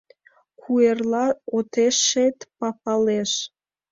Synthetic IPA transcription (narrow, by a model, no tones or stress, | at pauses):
kʰuerlɑot̪eʃːet̪pɑpɑleʃ